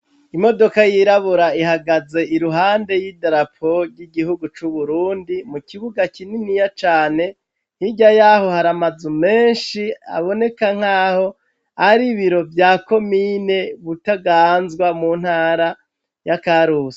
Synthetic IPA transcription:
imo̞do̞kajiɾaβuɾaihaɡaze̞iɾuɦaːnde̞jidaɾapʰoɾɟiɡihuɡut͡ʃuβuɾuːndimukiβuɡakininijat͡ʃaːne̞ | n̥hiɟajaho̞haɾamazume̞ːnʃia̰βo̞ne̞kaŋ̥haːho̞ | aɾiβiɾo̞vjaːko̞mine̞βutaɡaːnzɡwamun̥haːɾa | jakaɾuːse̥

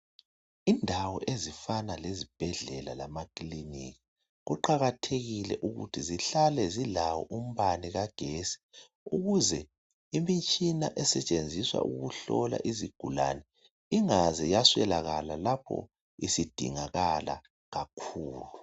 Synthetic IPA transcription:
indʱawɔʔezifanalezib̥ʱɛɮɛlalamakʼlinḭki | ɣuǃaɣatʰeɣilɛ̰ʔuɣṵtʰiziɬalɛzilawɔʔum̩βaniɣaɡ̥ʱesi̥ | uɣuzɛ | imint͡ʃʼinaʔɛsɛt͡ʃʼend͡zʱiswa̰ʔṵɣuɬɔla̰ʔiziɡ̥ʱula̰nɛ | iŋazɛjaswɛlaɣalalapʰɔ̰ | isid̥ʱḭŋaɣala̰ | ɣakʰuːlu

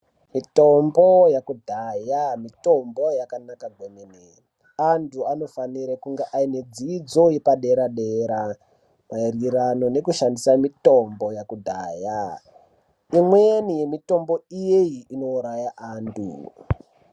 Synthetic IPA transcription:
mito̞mbo̞jakudʱajamito̞mbo̞jakanakaɡʱwonene | antʰuano̞faniɾakuŋɡeʔained͡zid͡zo̞jepaɗe̞ɾaɗeɾa | mairiɾano̞ne̞kuʃandisamito̞mbo̞jakudʱaːja | imweenije̞mito̞mbo̞ijejiːno̞uɾajaʔaːntʰṵ

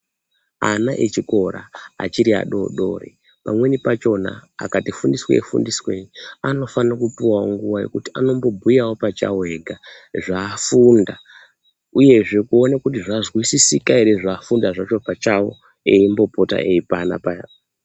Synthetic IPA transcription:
a̰naʔet͡ʃiko̞ɾa̰a̰t͡ʃiɾia̰ɗo̞̰ɗo̞̰ːrḛ | pa̰mwe̞nipat͡ʃo̞na̰a̰katifundiswa̰ḛfṵndisweniano̞fanrokupuwaoŋɡuʋaje̞̰kuti̥ano̞mbo̞bʱujawo̞pat͡ʃa̰we̞ɡʱa | ʐaːfunda | uje̞ʐe̞kuo̞nakut̬iʐazwisisikaiɾeʐaːfundaʐat͡ʃo̞pat͡ʃawo̞̰ | e̞imbo̞po̞ta̰ʔeipana̰pa

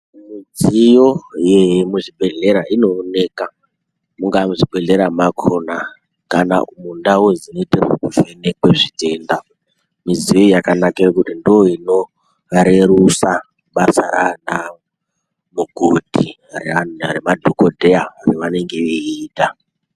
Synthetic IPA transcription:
mid͡zijo̞jemuʐibʱe̞ɮe̞ɾaino̞ne̞ka | muŋɡamuʐibe̞ɮe̞ɾamakʰona | kana̰umundawozino̞tero̰kuvenekweʐite̞nda | mizijo̞jakanakirokutindooino̞ | aɾeɾusa | ɓasaɾa̰na | muɡʱodʱi | ɾemadʱokodʱeaariʋane̞ŋɡeiiːta

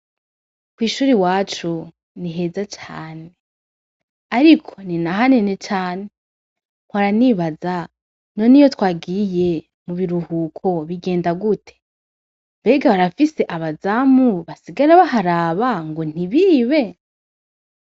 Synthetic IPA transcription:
kwiːʃuːɾiwaːt͡ʃu | niɦe̞zat͡ʃaːne | aɾikʰo̞̥ninaɦanene̞t͡ʃaːne̞ | ŋ̥waɾaniβaza | no̞nijo̞twaːɡije̞ | muβiɾuhukʰo̞βiɡe̞ːndaɡutʰe̥ | mbe̞ɡaβaɾafise̞ʔaβazamuβasiɡaɾaβaɦaɾaβaŋɡon̥iβiːβe̞

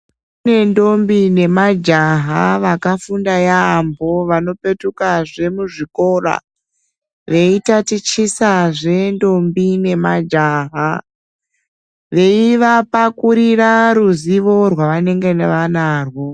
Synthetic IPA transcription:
une̞ndo̞mbine̞mad͡ʒaɦaʋakafundajaːmbo̞ʋano̞pe̞tukaʐe̞muʐiko̞ra̰ | ʋe̞itatit͡ʃisaʐe̞ndo̞mbine̞mad͡ʒaɦa | ʋe̞iʋapakuɾiraɾuziʋo̞rwaʋane̞ŋɡe̞neʋanaːrwo̞

